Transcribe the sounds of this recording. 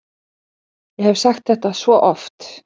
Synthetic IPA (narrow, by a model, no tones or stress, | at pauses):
jɛhɛv̥saxt̪θɛht̪asvɔʔɔft̪